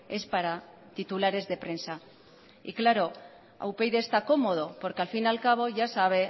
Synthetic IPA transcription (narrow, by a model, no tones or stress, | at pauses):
e̞spaɾa | t̪it̪ulaɾe̞zðe̞pɾe̞nsa | ḭklaɾo̞ | a̰wpe̞jðest̪ako̞mo̞ð̞o̞po̞ɾkealfinalkaβ̞o̞ʝasaβ̞e̞